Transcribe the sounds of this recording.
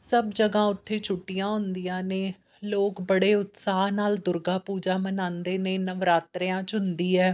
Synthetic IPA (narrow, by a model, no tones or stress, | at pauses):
səbd͡ʒəɡãːʊt̪ʰːeːt͡ʃʰʊʈːijãːɦʊnd̪ijãːneː | loːkbəɽeːʊt̪saːnaːld̪ʊɾɡaːpuːd͡ʒaːmənãːnd̪eːneːnəʋɾaːt̪ɾɪãːt͡ʃɦʊnd̪iːɛː